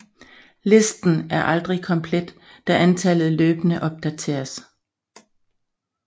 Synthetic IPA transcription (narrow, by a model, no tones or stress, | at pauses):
le̝sd̥n̩æɐʔɑ̈ld̥ʁikʰɒ̽mpʰled̥ː | æʔænt͡sʰɛlð̩ˠløːb̥ənəʔɒ̽b̥̚d̥æt͡sʰe̝̰ːɐs